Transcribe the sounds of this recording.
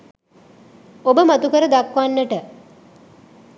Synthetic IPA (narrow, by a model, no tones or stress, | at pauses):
obəmat̪ukəɾəd̪akʋanːəʈə